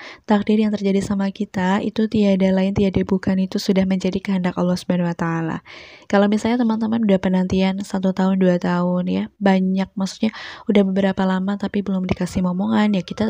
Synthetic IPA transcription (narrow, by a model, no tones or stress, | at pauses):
t̪ak̚dɪrjaŋt̪ərd͡ʒadisamakit̪aḭt̪ut̪iadalaɪnt̪iadabukanit̪usudahməɲd͡ʒadikəɦəndaka̰lːɔhsu̥banwat̪aːla̰kalawmisalɲat̪əmant̪əmanudahpənant̪iansat̪ut̪aɦʊnduat̪aʊnjabaɲak̚maksu̥k̪̚ɲaudahbəbəɾapalamat̪apibəlʊmdikasɪhmɔmoŋanjakit̪a